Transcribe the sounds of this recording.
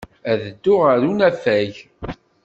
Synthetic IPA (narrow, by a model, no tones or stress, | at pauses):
æðəd̪ːʊʁəɾunæfæʝ